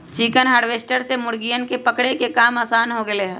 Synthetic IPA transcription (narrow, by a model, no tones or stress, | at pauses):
t͡ʃiːkənɦaːɽʋeːsʈəɾsemʊɽɡijənkepəkɽekekaːmaːsaːnɦoɡeleɦɛ